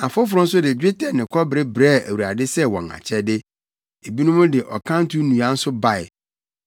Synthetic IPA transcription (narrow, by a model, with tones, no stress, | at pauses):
a˨fʊ˦fʊ˨ɾʊ̃˦n̩˦s̬ʊ˦dɪ˨d͡ʑᶣe˦tʰɛ˨nɪ̃˨kʰɔ˦bɾe˦bɾɛː˦˨ʔæ̰˨wu˨ɾa˨dɪ˦sɛ˦wɔ̃˨ŋa̰˨t͡ɕʰɛ˦dɪ˦ | e˨bi˦nũ˦mʊ̃˦dɪ˨ʔɔ˨kʰã˦n˦tʰu˦nũ˨ã˦n̩˦sʊ˦ba˦˨ɪ̰˨